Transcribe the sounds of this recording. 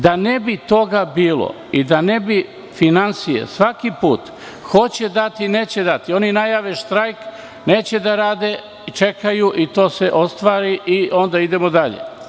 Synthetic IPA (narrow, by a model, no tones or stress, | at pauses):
d̪anebit̪o̞ɡabiːlˠo̰ | id̪anebi | finansijḛsʋakipuːt̪ | xo̞t͡ɕe̞d̪at̪ine̞ːt͡ɕed̪at̪io̞ninajaːʋeʃt̪ɾajk | neːt͡ɕed̪aɾaːd̪e̞ | t͡ʃe̞kajuʔit̪o̞ːseʔo̞st̪ʋaːɾiʔiʔo̞nd̪aid̪e̞mod̪aʎḛ